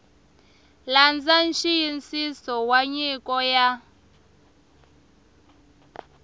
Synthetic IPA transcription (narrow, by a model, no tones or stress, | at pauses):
land͡zanʃijint͡sisɔwaɲikʼɔja